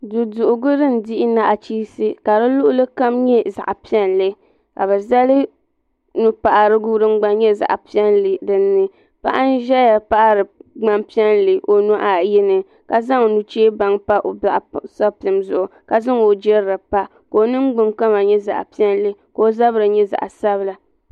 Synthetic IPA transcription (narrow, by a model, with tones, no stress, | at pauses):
du˨dʊ˨ʔʊ˨ɡʊ˦ɾɨ˦n̩˨dɪ˦ʔɪ˦na˦ʔa˨t͡ʃiː˦sɨ˦ka˨dɨ˦lʊ˦ʔʊ˦lɨ˦ka˦mɲɛ˦za̰˨ʔa˨pi˦ɛ˦nlɨ˦ | ka˨bɛ˨za˦lɨ˦ | nu˨pa˨ʔa˨ɾɨ˦ɡu˦ɾɨ˦ŋ͡mɡ͡ba˦n˦ɲɛ˦za̰˨ʔpi˦ɛ˦nlɨ˨dɨ˨nːɨ˦ | pa̰˦ʔa˦n̩˦ʒɛ˦ja˨pa˦ʔa˦ɾɨ˨ɡ͡ba˦mpi˦ɛ˦nlɨ˨ʔo˨nu˦ʔa˨jɪ˦nɨ˨ | ka˨za˦ŋ˨nu˨t͡ʃeː˦ba˨ŋpa˦ʔo˨ba˨ʔsɔ˦pɨ˨mzʊ˨ʔʊ˨ka˨za˦ŋo˨d͡ʒɛ˦ɾɾɨ˨pa˦ | ko˨˦nɨ˦ŋ˦ɡ͡bʊ˨ŋka˦ma˨ɲɛ˦za̰˨ʔpi˦ɛ˦nlɨ˦ko˨o˦za˦bɾɨ˨ɲɛ˦za̰˨ʔa˨sa˦bɨ˨la˨